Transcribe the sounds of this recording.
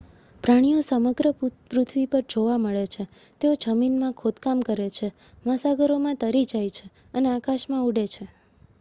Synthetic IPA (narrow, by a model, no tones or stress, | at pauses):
pɾaɽ̃ijosəməɡɾəpɾʊt̪ʰʋipəɾd͡ʒoʋaməɭet͡ʃʰe | t̪eod͡ʒəminmãkʰod̪kamkəɾet͡ʃʰe | mãsaɡəɾomãt̪əɾid͡ʒajt͡ʃʰe | əneakaʃmãuɖet͡ʃʰe